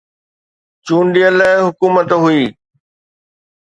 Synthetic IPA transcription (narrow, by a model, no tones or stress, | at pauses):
t͡ɕuːɳɖijələɦɪɦʊkuːmət̪ɦuiː